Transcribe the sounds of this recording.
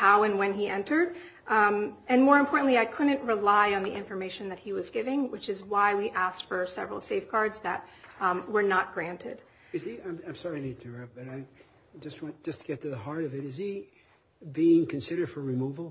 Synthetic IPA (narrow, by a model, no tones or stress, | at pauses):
haʊɨ̃nwɨ̃niʔɛ̃ntʰə˞ɾ | ɨ̃nmɔɹɨ̃mpʰɔɹʔn̩ʔliaɪkʰʊdⁿn̩ʔɹɪlaɪə̃nðiʔɪ̰̃ɱfə˞meɪʃɨ̃nðɨt̚hiwʌzɡɪvɪ̃ŋwɨt͡ʃɨzwaɪwiʔæstfə˞sɛ̰vɹl̩ˠseɪfɡ̥ɑɹdzðɨ̰t̚wə˞nət̚ɡ̥ɹæ̃ntʰɪ̰d̥ | ɨziãɪ̃mãɪ̃msɑɹinid̚tʰɨɹɛb̥ʌɾaɪ | d͡ʒʌst̚wɑ̃n̥d͡ʒ̥ʌstʰəɡ̥ɛt̪ʰɨðəhɑɹɾʌvɨɾɨzi | biɪ̃ŋkʰɨ̃n̩sɪɾə˞d̥fə˞ɹimuvl̩ˠ